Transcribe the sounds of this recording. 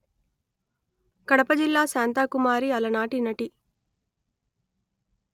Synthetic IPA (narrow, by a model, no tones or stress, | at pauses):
kɐɽɐpɐd͡ʒilːaːsaːnt̪aːkumaːɾiɐlɐnaːʈinɐʈi